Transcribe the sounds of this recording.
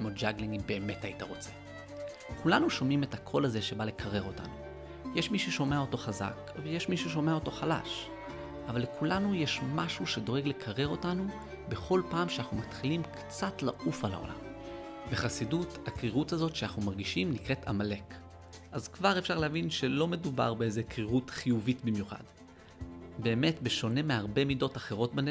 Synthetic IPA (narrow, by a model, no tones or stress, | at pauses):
mod͡ʒaɡliŋibe̞ːme̞taitaʁo̞t͡se̥ | kulanuʃo̞mime̞thakʰo̞laze̞ʃe̞bale̞kʰaʁe̞ʁo̞ta̰nu | jeʃmiʃuʃo̞me̞ao̞to̞χaza̰kvejeʃmiʃuʃ̬o̞meao̞to̞χala̰ʃ | ʔavalːekʰulanujeʃmaʃuʃedo̞ʁeɡle̞kʰaʁe̞ʁo̞tanu | be̞χo̞lpaːmʃeaχumatχilimkt͡satla̰ʔufala̰o̞̰la̰mbe̞χasiduthakʁiʁuthazo̞tʃeaχnumaʁɡiʃimnikʁetʰa̰male̞k | ʔazkvaʁe̞fʃaʁlehavinʃe̞lo̞me̞duba̰ʁbeezekʁiʁutχijuvitbimjuχa̰d | be̞ːme̞tbe̞ʃo̞ne̞meaʁbe̞mido̞taχe̞ʁo̞t̚ben